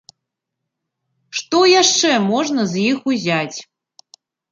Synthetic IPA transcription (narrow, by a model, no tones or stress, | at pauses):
ʂt̪ɔjaʂt͡ʂɛmɔʐnɐzjixuzʲat͡sʲ